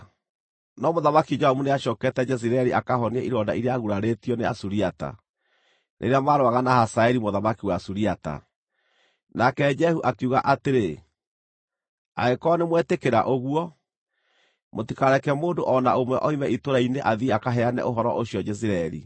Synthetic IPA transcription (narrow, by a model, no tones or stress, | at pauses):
nɔmoðamakid͡ʒɔhɔmuneaɕɔkɛtɛd͡ʒɛs̬iɾaɛɾiʔakaɦɔniɛiɾɔda̰iɾeaɣuɾaɾetiɔnea̰suɾiata̰ | nʔḛɾeamaːɾoaɣanahasaɛɾimoðamakiwasuɾiata̰ | nakɛd͡ʒɛhuʔakuɣa̰ʔateɾe | a̰ɣekɔnemwɛtekeɾa̰ʔoɣuɔ | motikaɾɛkɛmoːndoʔɔnaomwɛʔɔimɛitoɾaineʔaðiakaɦɛanɛ̰ʔoɦɔɾɔʔoɕiɔd͡ʒɛsiɾaɛɾḭ